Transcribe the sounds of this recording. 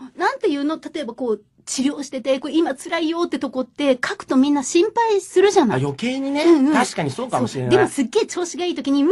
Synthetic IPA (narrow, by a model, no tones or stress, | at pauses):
nãnt̪e̞jɯ̟ːno̞t̪at̪o̞e̞bako̞ː | t͡ɕiɾʲo̞ːɕi̥t̪e̞t̪e̞ko̞ːimat͡sɨɾaijo̞ːt̪ːe̞t̪o̞ko̞t̪ːe̞kʰakɯ̟̥t̪o̞mʲĩnːaɕĩmpaisɨɾɯ̟ʑanajo̞ke̞ːɲ̟ineɯ̟̃ɯ̟̃aɕi̥kaɲ̟isoːkamooɕiɾend̪e̞mo̞sɨɡːe̞ːt͡ɕo̞ːɕiɡaiːt̪o̞kʲiɲ̟i